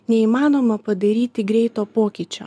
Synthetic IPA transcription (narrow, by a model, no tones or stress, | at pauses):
nʲɛiːmɑːnoːmɐpɐd̪ɐɾʲiːt̪ʲɪɡɾʲɛɪt̪oːpoːkʲit͡ʃʲo̰ː